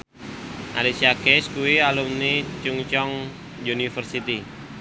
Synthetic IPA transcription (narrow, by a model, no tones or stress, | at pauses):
ʔa̰lisiakɛskuwialumnit͡ʃuŋt͡ʃɔŋ | junifərsit̪i